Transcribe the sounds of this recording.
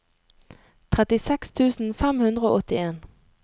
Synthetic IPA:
t̪ʰʁɛt̪ɪsɛkst̪ʰʉːsn̩fɛmhʉnd̪ʁəo̰ːɔt̪ɪeːn

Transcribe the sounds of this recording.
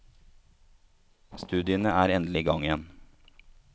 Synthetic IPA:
st̪ʉːd̪ɪənəæːɾɛnd̪lɪɡɑŋɪɛn

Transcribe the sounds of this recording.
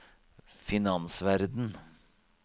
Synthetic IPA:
fɪnɑnsʋæɾd̪n̩

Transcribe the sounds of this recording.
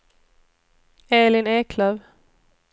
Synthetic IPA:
eːlɪneːkʰlœːv

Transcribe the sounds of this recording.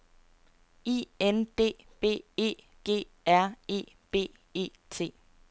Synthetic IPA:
iend̥e̝̰ː | b̥e̝̰ːbe̝̰ː | ɡ̥e̝̰ː | æɐ̰e̝̰ːb̥e̝̰ː | e̝̰ː | t͡sʰe̝̰ː

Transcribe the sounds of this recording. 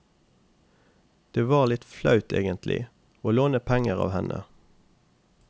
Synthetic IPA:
d̪̥eːʋɑːʁlɪt̪flɑʉt̪ʰḛːɡənt̪ʰlɪ̰ | oːloːnəpʰɛŋəʁɑ̰ːʋhɛnʔə̰

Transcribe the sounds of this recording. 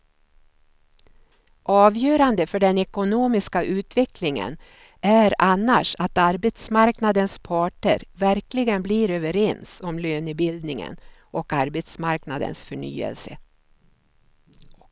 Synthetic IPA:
ʔɑːvjœːɾand̪əfœɖɛnɛkʊnuːmɪskaʔʉ̟ːt̪vɛklɪŋə̰n | ʔæɾanːa̰ʂat̪aɾbɛt̪smaɾknad̪ənspʰɑːʈə̰ɾvæɾklɪɡənbliːɾøːvəɾɛnsɔmløːnʏbɪld̪nɪŋə̰nʔɔkaɾbɛt̪smaɾknad̪ə̰nsfœɳy̰ːə̰lsə̰

